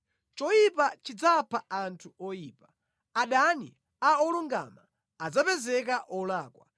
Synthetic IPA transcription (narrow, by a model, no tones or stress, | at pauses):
t͡ʃɔjipat͡ʃid͡zapʰaʔantʰuɔjiːpḁ | aɗanḭ | aɔluŋɡa̰ma | ad͡zapɛzɛk̬aʔɔlaːkwa̰